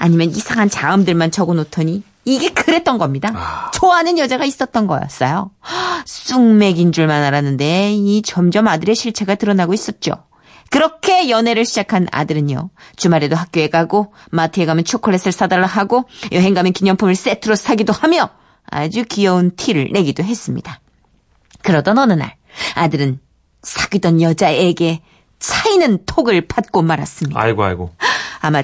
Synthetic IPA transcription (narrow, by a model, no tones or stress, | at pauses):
aɲimjʌnisʰaŋant͡ɕaɯmdɯɭmant͡ɕʰʌɡonotʰʌɲiː | ɡe̞kɯɾe̞t̚t͈ʌnɡʌmɲidat͡ɕoanɯnjʌd͡ʑaɡais͈ʌt̚t͈ʌnɡʌ̰jʌ̰s͈ʌjo | s͈uŋme̞ɡind͡ʑuɭmanaɾanɯnde̞it͡ɕʌmd͡ʑʌmadɯɾe̞ɕʰiɭt͡ɕʰe̞ɡatɯɾʌnaɡois͈ʌt̚t͡ɕ͈o̰ | kɯɾʌkʰe̞jʌne̞ɾɯɭɕʰid͡ʑakʰana̰dɯɾɯɲo̰t͡ɕumaɾe̞doɦak̚k͈joe̞ɡaɡo | matʰɯeɡamjʌnt͡ɕʰokʰoɭːes͈ʰɯɭs͈adaɭːaɦaɡojʌɦe̞ŋɡamjʌnkiɲʌŋpʰumɯɭs͈etʰɯɾosʰaɡidohamjʌ | a̰d͡ʑukijʌuntʰiɾɯɭːe̞ɡidoɦe̞s͈ɯmɲḭd̥a | kɯɾʌt͈ʌnʌnɯna̰ɭ | adɯɾɯn | sʰaɡidʌnjʌd͡ʑae̞ɡe̞ | t͡ɕʰainɯntʰoɡɯɭpat̚k͈omaɾa̰s͈ɯmɲia̰ɭɡoa̰ɭɡoama